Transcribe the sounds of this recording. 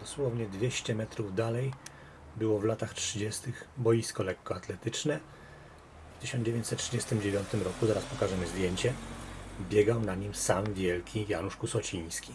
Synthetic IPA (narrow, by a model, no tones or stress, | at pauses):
d̪̥ɔswɔvɲɛd̪vʲjeɕt͡ɕɛmɛt̪ɾuvd̪alɛj | bɘwɔvlat̪axtʂɘd͡ʑɛst̪ɘxbɔjiskɔlɛkːɔat̪lɛt̪ɘt͡ʂnɛ | ft̪ɘʃɕɔnd͡ʑevʲẽɲt͡ɕsɛt̪tːʂɘd͡ʑɛst̪ɘmd͡ʑevʲjɔnt̪ɘmɾɔkuzaɾaspɔkaʐɛmɘzd̪ʲjeɲt͡ɕɛ | bʲjɛɡawnaɲimsamvʲjɛlkʲijanuʂkusɔt͡ɕĩɲ̃skʲi̥